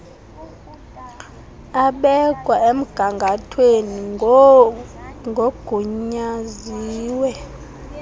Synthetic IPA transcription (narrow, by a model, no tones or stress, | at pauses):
aɓɛkʼwaem̩ɡ̥ʱaŋɡʱatʰweni | ŋɡʱoɡ̥ʱuɲaziːwɛ